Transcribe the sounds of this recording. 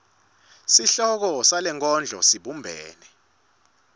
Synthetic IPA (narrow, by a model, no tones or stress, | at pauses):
siɬɔk̬ɔsalɛŋk̬ʰʼɔnd͡ɮʱɔ̰siɓumbʱɛːnɛ